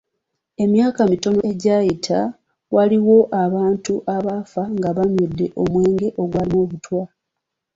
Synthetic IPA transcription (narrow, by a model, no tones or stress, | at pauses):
e̞mjaːkamito̞no̞e̞ɟaːjitʰa | waliwo̞ʔaβaːntuʔaβafaŋɡaβamjodːe̞ʔo̞mwe̞ːŋɡe̞ʔo̞ɡwaːlimoːβutwa